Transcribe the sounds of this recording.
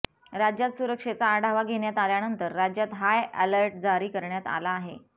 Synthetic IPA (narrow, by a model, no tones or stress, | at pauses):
ɾad͡ʑjat̪suɾəkʂet͡saːɽʱaʋaɡʱeɳjat̪aljanənt̪əɾːad͡ʑjat̪ɦajɛləɾʈ̚d͡zaɾiːkəɾɳjat̪a̰laːɦe